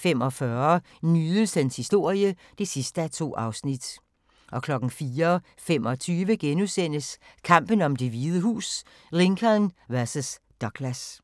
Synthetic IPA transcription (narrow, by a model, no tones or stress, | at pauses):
femɒfɶɐ | nyːðˠəshenshisd̥o̝ɐ̰jəd̥e̝sisd̥əæt͡sʰo̝̰ːɑ̈ʊsnid̥ | ʔɒ̽kʰlɒ̽ɡ̥n̩fiːɐ | femɒ̽t͡sʰyːʋəɡ̥enusen̰əskʰɑ̈m̰b̥ən̩ɒ̽md̥e̝ʋiːð̞ˠəɦṵːs | ʁe̝ŋkʰɐnʋæɐsəs | d̥ɒɡ̥læs